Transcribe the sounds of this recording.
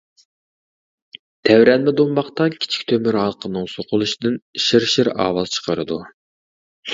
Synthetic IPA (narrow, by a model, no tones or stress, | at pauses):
t̪ʰɛwɾɛnmɛd̪ombɑχt̪ɑkʲʰi̥t͡ʃʰi̥kʲt̪ʰømyɾhɑlˠqʰənɨŋsoqʰʊlˠuʃid̪ɪnʃiɾʃiɾɑ̰ːwɑlˠt͡ʃʰə̥qʰəɾɨ̰d̪u